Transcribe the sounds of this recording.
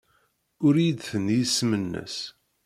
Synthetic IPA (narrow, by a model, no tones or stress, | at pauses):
ʊɾjid̪θənjismənːə̰s